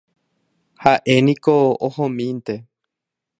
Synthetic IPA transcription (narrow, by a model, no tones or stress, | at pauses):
haʔe̞nĩkoohõmĩnt̪e̞